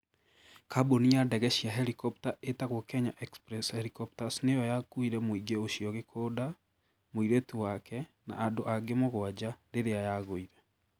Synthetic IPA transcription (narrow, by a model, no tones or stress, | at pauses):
kaboniadɛɣɛɕiaɦɛɾikɔp̚taʔetaɣwɔkɛɲaʔɛkspɾɛshɛɾikɔptasnejɔjakuiɾɛmoiɡeoɕiɔɣekʰoːda | moiɾetuwakɛna̰ʔːdoʔaɡemoɣwad͡ʑaɾeɾeajaɣoiɾɛ